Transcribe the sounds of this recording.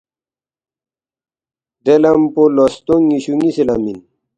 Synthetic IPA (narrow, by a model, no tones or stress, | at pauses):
d̪elɐmpolost̪uŋiɕuŋisilamḭn